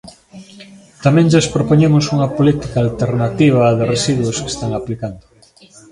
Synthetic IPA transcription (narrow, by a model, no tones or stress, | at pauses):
t̪amɛ̃ŋʒaspɾopoɲemʊsuŋɐpolit̪ikaːlt̪eɾnat̪iβ̞ɐðɪresiðwʊske̥st̪aŋaplikand̪ʊ